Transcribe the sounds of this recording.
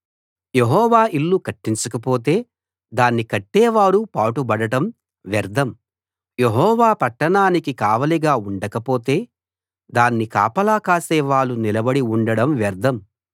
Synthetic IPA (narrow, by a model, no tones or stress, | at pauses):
je̞ɦɔːʋaːʔilːukɐʈːiɲt͡ʃɐkɐpo̞ːt̪e̞ː | d̪aːnːikɐʈːeːʋaːɾupaːʈubɐɽɐʈɐm | ʋɛɾd̪ʱɐm | je̞ɦɔːʋaːpɐʈːɐɳaːnikikaːʋɐliɡaːuɳɖɐkɐpo̞ːt̪e̞ː | d̪aːnːika̰ːpɐlaːkaːseːʋaːɭːunilɐbɐɽiuɳɖɐɽɐmʋɛɾd̪ʱɐm